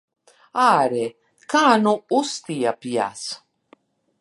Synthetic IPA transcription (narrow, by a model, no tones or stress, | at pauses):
aːɾɛ | kaːnuust̪iapja̰s